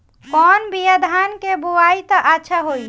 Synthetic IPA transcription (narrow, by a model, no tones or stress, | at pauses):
kɔːnbijəd̪ʱankebuait̪əʔatːʃʰaɦoi